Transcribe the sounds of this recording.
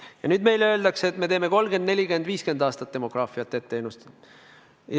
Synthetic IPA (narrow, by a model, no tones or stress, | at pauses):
jɑnyːd̪me̞jløld̪ɑkseet̪me̞t̪eːme̞ko̞lɡ̥end̪ne̞lʲikyend̪viːske̞nd̪̥ɑːst̪ɑt̪ːe̞mo̞ɡ̥rɑːfiɑt̪ːˑet̪ːeːnust̪